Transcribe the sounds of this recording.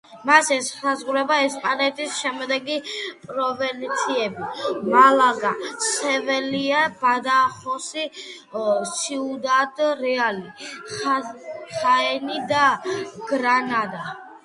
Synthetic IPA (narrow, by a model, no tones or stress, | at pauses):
masɛsazʁuɾɛbaɛspʼanɛt̪ʰisʃɛmd̪ɛɡipʼɾɔvɛnt̪sʰiɛbimalˠaɡasɛvɛliabad̪aχɔsi | siud̪ad̪ɾɛali | χaɛnid̪aɡ̥ɾanad̪a